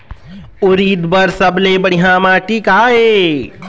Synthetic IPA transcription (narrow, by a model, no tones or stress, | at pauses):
ʊɾiːd̪bɐɾsɐblebəɽiɦãːmaːʈikaːɦeː